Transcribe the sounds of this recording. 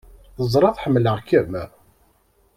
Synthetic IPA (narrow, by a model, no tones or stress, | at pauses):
θəzˤɾˤɑðˤħəmːləʁkːəm